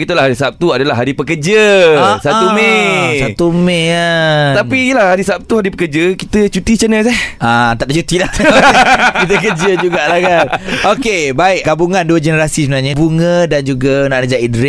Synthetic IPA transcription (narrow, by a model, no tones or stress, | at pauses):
ɡit̪ulahɦaɾisap̚t̪uadalahɦaɾipəkəd͡ʒəasat̪umesat̪umẽat̪anpiijəlahhaɾisap̚t̪uhaɾipəkəd͡ʒəkit̪ət͡ʃut̪it͡ʃənəs̬ɛhat̪aʔdat͡ʃut̪ilah | kit̪əkəd͡ʒəd͡ʒuɡaʔlakanʔokebaɪʔɡabuŋãnduəd͡ʒənəɾasisəbənaɲabuŋə̃dand͡ʒuɡanãʔnəd͡ʒaʔidɾɛ